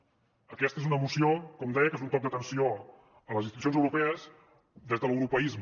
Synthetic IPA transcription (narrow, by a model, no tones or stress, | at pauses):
əkɛst̪əezunəmusiokɔmd̪ɛjəkezunt̪ɔk̚d̪ət̪ənsio | ələzinst̪it̪us̬jozəwɾupɛəz | d̪ezðələwɾupəizm